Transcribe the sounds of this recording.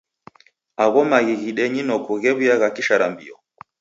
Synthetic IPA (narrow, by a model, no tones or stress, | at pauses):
aɣɔmaɣiɣiɗɛɲinɔkuɣɛβijaɣakiʃaɾambḭɔ